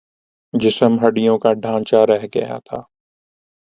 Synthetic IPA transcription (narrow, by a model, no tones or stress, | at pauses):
d͡ʒɪsəmɦɐɖɪjõːkaɖʱãːnt͡ʃaɾɛɦɡɐ̰ja̰t̪ʰaː